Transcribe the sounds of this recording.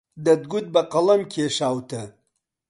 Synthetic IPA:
d̪ɐd̪ɡud̪̚bɐqɐlɐmkʰʲeːʂaːwt̪ʰɐ

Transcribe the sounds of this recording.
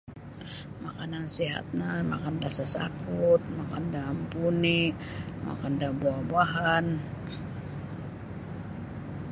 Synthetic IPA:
makanansiɦa̰t̪̚nama̰kandasasa̰kut̪̚makandaːmpunima̰kandabuabaɦan

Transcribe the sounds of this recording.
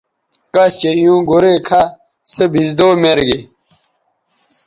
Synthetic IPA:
kɐst͡ɕeijũːɡoɾekʰa | sebʱizd̪oːmeɾɡe

